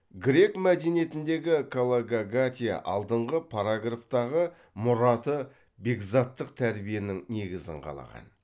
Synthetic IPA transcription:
ɡɾʲe̞kmæd̪e̞nije̞t̪ɪnd̪e̞ɡʲɪkʰolˠaɡaɡat̪ʲija̰ʔɑ̰lˠd̪əɴʁəpʰaɾaɡraft̪ɑʁə | mʊɾɑt̪ə | be̞ɡzat̪ːəq̚t̪ʰæɾbije̞nɪŋne̞ɡʲɪzɪ̰ŋqʰɑ̰lˠɑ̰ʁɑ̰n

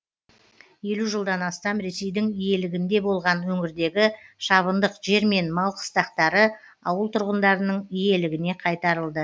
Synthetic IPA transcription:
je̞luʒəlˠd̪ɑnɑst̪ɑmɾe̞se̞jd̪ɪŋije̞lɪɡʲɪnd̪e̞bo̞lˠʁɑnwɵŋɪɾd̪e̞ɡʲɪʃɑβənd̪əqʒ̥e̞ɾme̞nmɑlˠqʰə̥st̪ɑqt̪ɑɾə | ɑ̰wəlˠt̪ʰʊɾʁənd̪ɑɾənəɴije̞lɪɡʲɪne̞qʰɑjt̪ɑɾəlˠd̪ə

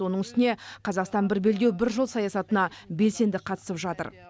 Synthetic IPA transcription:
o̞nəɴʏst̪ɪne̞qʰɑzɑqst̪ɑnbɪɾbe̞ld̪e̞wbɪɾʒolˠsɑjɑsɑt̪ənɑbe̞lse̞nd̪ɪqʰɑt̪ə̥səpʒɑt̪ə̰ɾ

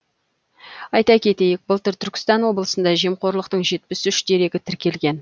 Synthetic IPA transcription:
ɑjt̪ɑkʲʰe̞t̪e̞jɪk̚bəlˠt̪ʏɾt̪ʰʏɾkʲɪ̥st̪ɑnwo̞blˠəsənd̪ɑʒiemqʰo̞ɾlˠəqt̪əɴʒe̞t̪pɪsʏʃd̪e̞ɾe̞ɡʲɪt̪ʰɪɾkʲe̞lɡʲe̞n

